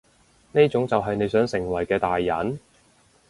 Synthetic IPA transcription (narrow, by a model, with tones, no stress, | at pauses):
neː˥t͡sʊ˨˥ŋt͡sɐ˨wɦɐ˨jne˨˧jsœː˨˥ŋsɪ˨˩ŋwɐ˨˩jkɛː˧t̪aː˨jːɐ̰˨˥n